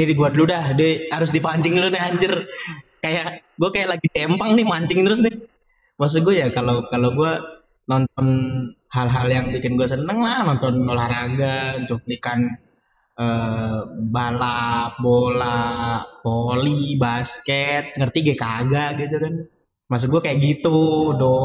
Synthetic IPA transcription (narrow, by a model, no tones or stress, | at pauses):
nidiɡuadludahdɛhaɾʊsdipaɲt͡ʃɪŋlonɪɦaɲd͡ʒʊrkajaʔɡuakajaʔlaɡit̪ɛmpaŋnɪhmaɲt͡ʃɪŋt̪əɾʊs̬nɪh | mas̬uɡuajakalokaloɡua | nɔnt̪ɔnhalɦaljaŋbikɪnɡuas̬ənəŋlahnɔnt̪ɔnolahɾaɡaɲt͡ʃuk̚likan | ə | balabolafolibaskɛt̪̚ŋərt̪iɡɛkaɡaɡit̪ukan | mas̬uɡuakajaʔɡit̪udɔ